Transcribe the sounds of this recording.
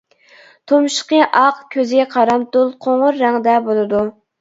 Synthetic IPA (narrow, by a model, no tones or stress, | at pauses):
t̪ʰomʃə̥qəʔɑqkʲʰøzɪɡʲɛqʰɑɾɑmt̪ulˠqʰoɴʊɾːæŋd̪ɛbolˠɨd̪u